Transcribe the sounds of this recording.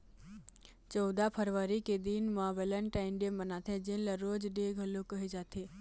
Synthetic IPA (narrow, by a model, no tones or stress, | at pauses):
t͡ʃɔʊd̪apʰəɾʋaːɾiked̪inmaːbələnʈaɪnɖembənaːt̪ʰẽd͡ʒɪnlɐɾoːd͡ʒɖeɡʱɐlokəɦid͡ʒaːt̪ʰeː